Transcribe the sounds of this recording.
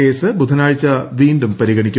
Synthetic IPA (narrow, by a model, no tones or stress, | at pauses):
eːsɨbud̪ʱɐnaːɻt͡ɕːɐʋiːɳɖumpɐɾiɣɐɳikʲːu